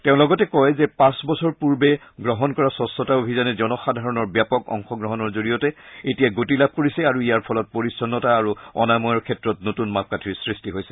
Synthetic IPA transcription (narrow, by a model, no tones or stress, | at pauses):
tɛʊ̃lɔɡɔtɛkɔjzɛpãsbɔsɔɹpuɹbɛ | ɡɹɔɦɔnkɔɹasɔsɔtaobʱizanɛzɔnɔxadʱaɹɔnɔɹbjapɔkɔ̰ŋxɔɡɹɔɦɔnɔɹzoɹijɔtɛetijaɡotilab̚ʱkoɹisɛaɹuijaɹpʰɔlɔt̚poɹisɔnːɔtaːɹuɔ̰namɔjɔɹkʰɛtɹɔtnotunmap̚katʰiɹsɹistiɦojsɛ̥